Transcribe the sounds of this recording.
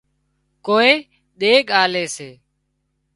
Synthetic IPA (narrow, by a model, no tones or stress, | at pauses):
koːeː | ɗ̪eːɠaːleːseː